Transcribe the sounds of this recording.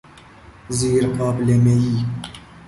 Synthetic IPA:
ziːɾkʰɑːplemeji

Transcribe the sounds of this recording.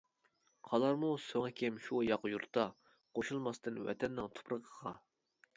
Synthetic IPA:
qʰɑlˠɑɾmusoŋɛkʲʰemʃujɑqjuɾt̪ɑ | qʰoʃulˠmɑst̪ɨnwɛ̰t̪ʰɛnːɪŋt̪ʰo̥pɾəqʰəʁɑ

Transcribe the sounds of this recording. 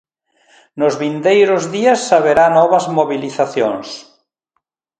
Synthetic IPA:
nʊzβind̪ejɾʊzðiasːaβeɾanɔβɐzmoβiliθaθjoŋs

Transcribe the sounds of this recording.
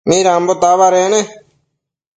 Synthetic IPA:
miːɾaːmboːt̪aːʋaːɾeːnẽː

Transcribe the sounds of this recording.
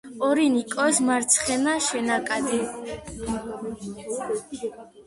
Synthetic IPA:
ɔɾinikʼɔsmaɾt̪sʰχɛnaʃɛnakʼad̪ɛ

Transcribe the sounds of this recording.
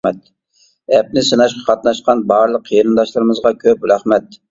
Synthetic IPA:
ɛt̪̚ | ɛp̚nɪsɨnɑʃqɑ̥qʰɑt̪̚nɑʃqɑnbɑɾlˠəqʰːijɾɨnd̪ɑʃlˠɨɾɨmɨzʁɑkʲʰøpɾæχmɛt̪̚

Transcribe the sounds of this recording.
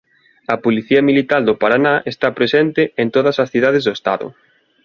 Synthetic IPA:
ɐpoliθiɐmilit̪ald̪ʊpaɾanaʔest̪apɾesɛnt̪ɪent̪oðɐsɐsθiðaðezðʊest̪a̰ðʊ̰

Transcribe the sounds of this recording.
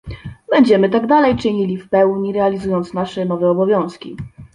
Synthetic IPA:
bɛɲd͡ʑɛmɘt̪aɡd̪alɛjt͡ʂɘɲilʲifpɛwɲiɾɛalʲizujɔnt̪snaʂɛnɔvɛɔbɔvʲjɔ̃w̃skʲi

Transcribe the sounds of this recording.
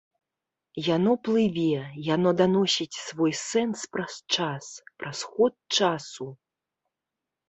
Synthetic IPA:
janɔplˠɨvʲɛjanɔd̪anɔsʲit͡sʲsvɔjsɛnspɾɐst͡ʂaspɾasxɔt̪̚t͡ʂasu

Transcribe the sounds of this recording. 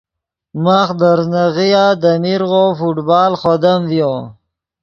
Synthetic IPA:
maxd̪əɾnaɣijad̪amiɾɣofuʈbɑːlχod̪amvjo

